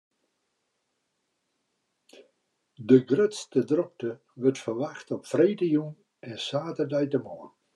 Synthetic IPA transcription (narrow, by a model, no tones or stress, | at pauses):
dəɡrøtstədrɔk̚tə | ʋərtfərʋaxtɔpfreːtəjun | ɛnsaːtərdɛjtəmɔən